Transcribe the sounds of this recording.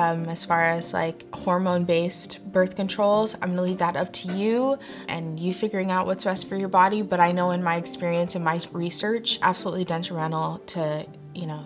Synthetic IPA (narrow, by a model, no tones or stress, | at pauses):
ʌ̃mɨz̥fɑɹɨz̥la̰ɪkhɔɹmõʊ̃nbeɪstb̥ɜ˞θkɨ̃ntʰɹ̥oʊlˠzã̰ɪ̃mʌnəlivðəɾʌp̚tʰɨjʉ | ʔɨ̰̃njɨfɪɡjə˞ɪ̃ŋaʊʔwʌtsb̥ɛstfə˞jə˞bɑɾibʌɾaɪnoʊɨ̃nmaɪɨkspɪɹiɨ̃nsɨ̃nmaɪɹisɜ˞t͡ʃʔæ̰b̥səlṵʔˡlidɛ̃ntɹ̥əmɛ̃ñl̩ˠtʰɨ | jɨnoʊ